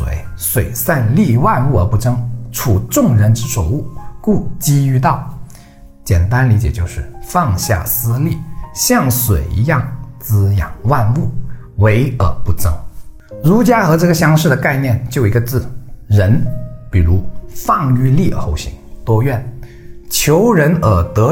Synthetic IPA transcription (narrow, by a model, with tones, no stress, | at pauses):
wḛ˧˩˥ɪswe˨˩ɪsa˥˧nli˥˧wa˥˧nu˥˩ə˞˧˥pu˥˩ʈ͡ʂɤ˥ŋʈ͡ʂʰu˨˩ʈ͡ʂʊ˥˩ŋɻə˧˥nʈ͡ʂɻ̩˥ʂo˨˩ʊu˥˩ku˥˩t͡ɕi˥y˥˧t̪̬ɑ˥˩ʊ | t͡ɕjɛ˨˩nt̪a˥nli˧˥t͡ɕjɛ˨˩t͡ɕjo˥˧ʊʂɻ̩˥˧fɑ˥˧ŋɕja̰˥˩sɹ̩˥li˥˩ɕjɑ˥˩ŋswḛ˨˩ɪḭ˧˥jɑ˥˩ŋt͡sɹ̩˥jɑ̰˨˩ŋwa˥˧nu˥˩ | we˧˥ɪə̰˞˨˩pu˥˩ʈ͡ʂɤ˥ŋ | ɻu˧˥t͡ɕja˥xɤ˧˥ʈ͡ʂɤ˥˩ɡə˩ɕjɑ˥ŋʂɻ̩˥˩d̪ə˩ka˥˧ɪnjɛ˥˧nt͡ɕjo˥˩ʊi˧˥ɡə˧t͡sɹ̩˥˩ɻə˧˥npi˨˩ɻu˧˥fɑ˥˧ŋy˥˧li˥˩ə˩xo˥˩ʊɕḭ˧˥˦ŋt̪wɔ˥ɥɛ˥˩n | t͡ɕʰjo˧˥ʊɻə˧˥nə˨˩t̪ɤ˧˥